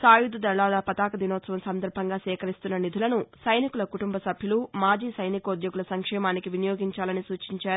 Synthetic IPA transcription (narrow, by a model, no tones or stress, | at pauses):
saːjud̪ud̪ɐɭaːlɐpɐt̪aːkɐd̪inɔːt̪sɐʋɐmsɐnd̪ɐɾbʱɐŋɡaːsɛːkɐɾist̪unːɐnid̪ʱulɐnusɐjnikulɐkuʈumbʱɐsɐbʱjulumaːd͡ʒiːsɐjnikɐud̪joɡulɐsɐŋkʂɛːmaːnikiʋinijoːɡiɲt͡ʃaːlɐnisuːt͡ʃiɲt͡ʃaːɾu